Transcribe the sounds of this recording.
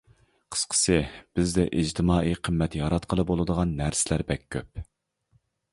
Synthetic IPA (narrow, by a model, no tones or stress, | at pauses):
qʰə̥sqʰə̥sɨb̥ɪzd̪ɛʔid͡ʒt̪ʰɪmɑːʔiqʰəmːɛt̪jɑɾɑt̪qʰəlˠɨbolˠɨd̪əʁɑnːæɾsɪlæɾbɛkʲʰːøp̚